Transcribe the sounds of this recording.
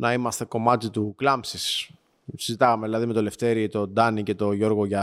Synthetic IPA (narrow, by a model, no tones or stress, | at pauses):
nɐimɐst̪e̞ko̞mɐt̪it̪uklɐmsis | sizit̪ɐɣɐmeðilɐðime̞t̪ole̞ft̪e̞ɾit̪o̞d̪ɐnice̞t̪o̞ʝo̞ɾɣo̞ʝɐ